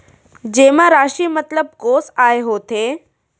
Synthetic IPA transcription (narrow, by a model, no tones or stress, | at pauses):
d͡ʑeːmãɾaːʃiːmɐt̪ləb̚koːsaːeɦoːt̪ʰeː